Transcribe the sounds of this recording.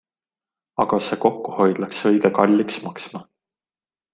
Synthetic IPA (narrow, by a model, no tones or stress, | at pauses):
ɑɡ̥ɑse̞ko̞kːuho̞jd̪̥lɑksɤ̞jɡekɑlʲːiksmɑksmɑ